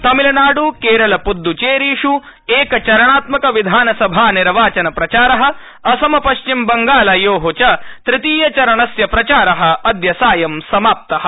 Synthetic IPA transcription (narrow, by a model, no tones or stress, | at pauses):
t̪ɐmilɐnaːɽukeːɾɐlɐpud̪ːut͡ʃeːɾiːʂu | eːkɐt͡ʃɐɾɐɳaːt̪mɐkɐʋid̪ʱaːnɐsɐbʱaːniɾʋaːt͡ʃɐnɐpɾɐt͡ʃaːɾɐɦɐ̆ | ɐsɐmɐpɐʃt͡ʃimbɐŋɡaːlɐjoːɦot͡ʃɐt̪ɾɪt̪iːjɐt͡ʃɐɾɐɳɐsjɐpɾɐt͡ʃaːɾɐɦɐ̆ɐd̪jɐsaːjɐmsɐmaːp̚t̪ɐɦɐ̥̆